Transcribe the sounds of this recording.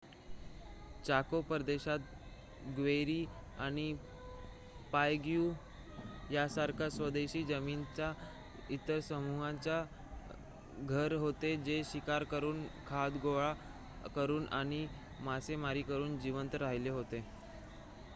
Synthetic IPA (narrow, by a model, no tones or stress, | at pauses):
t͡ɕakopəɾd̪eɕat̪̚ | ɡʋeɾiː | aɽ̃i | pajɡjuː | jasaɾkʰasʋəd̪eɕiːd͡zəmiːnt͡ɕa | it̪əɾsəmuɦãɲt͡ɕja | ɡʱəɾɦot̪ed͡ʑeɕikaɾkəɾuːnkʰad̪ɡoɭa | kəɾuːnʔa̰ɽ̃i | masemaɾiːkəɾuːnd͡ʑiʋənt̪ɾaɦileɦot̪e